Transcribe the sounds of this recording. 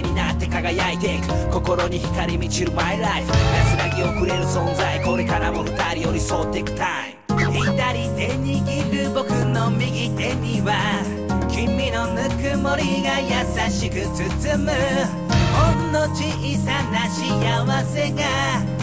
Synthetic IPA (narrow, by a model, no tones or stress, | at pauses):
ɲ̟inat̪ːe̞kaɡajait̪ekɯ̟̥ko̞ko̞ɾo̞ɲ̟içi̥kaɾʲimʲit͡ɕiɾɯ̟maiɾaiɸɯ̟̥j̪asɨɾaɡʲio̞kɯ̟ɾe̞ɾɯ̟sõ̞nzaiko̞ɾe̞kaɾamokɯ̟t̪aɾʲijo̞ɾʲiso̞ːt̪ːe̞kɯ̟̥t̪aĩet̪aɾʲid̪e̞ɲiɡʲiɾɯbo̞kɯ̟no̞mʲiɡʲit̪e̞ɲ̟iβa | kʲimʲːino̞nɯkɯmo̞ɾʲiɡajasaɕikɯ̟t͡sɨt͡sɨmɯ | onːo̞t͡ɕiːsanaɕiaβase̞ɡa